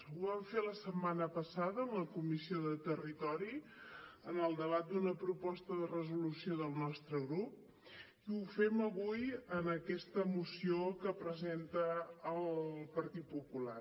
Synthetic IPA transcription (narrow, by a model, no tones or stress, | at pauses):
uβaɱfeləsəmːanəpəsaðəːmləkumisioðət̪ərit̪ɔɾi | ənəlˠd̪əβat̪̚d̪unəpɾupɔst̪əðərəzulusioðəlˠnɔst̪ɾəɣɾup̚ | iufɛməβujənəkɛst̪əmusiokəpɾəzent̪əːlˠpəɾt̪it̪̚pupula̰